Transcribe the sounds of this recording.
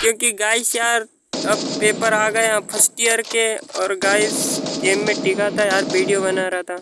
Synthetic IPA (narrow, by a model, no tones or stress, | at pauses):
kjõːkiɡaːɪsjaːɾ | ɐbpeːpəɾaːɡɐeapʰəsʈijəɾkeɔːɾɡaːɪseːmːẽʈɪkat̪ʰajaːɾbiːɽijobɐnaɾat̪ʰaː